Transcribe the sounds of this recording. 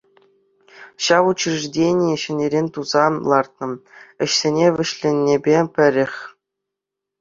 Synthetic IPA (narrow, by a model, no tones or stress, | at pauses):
ɕɑʋut͡ɕriʐdʲenʲijɘ̆ɕɘ̆nʲeɾʲenʲt̪uzɑlˠɑrt̪̚nɤ̆ɘ̆ɕsʲenʲeʋʲɘ̆ɕlʲenʲːebʲepʲɘ̆ɾʲɘ̆xʲ